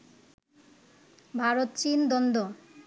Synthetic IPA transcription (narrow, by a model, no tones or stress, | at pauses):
bʱaɾot̪t͡ɕind̪ɔnd̪o